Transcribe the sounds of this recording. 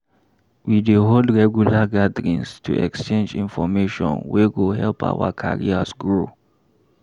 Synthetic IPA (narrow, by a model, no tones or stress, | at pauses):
wideɦoldɹɛɡjulaɡadɹĩnstʰṵʔɛ̰kst͡ʃẽnd͡ʒĩnfɔmeʃɔ̰̃nwɛɡohɛlpʰa̰wa̰kʰa̰ɹḭasɡɹo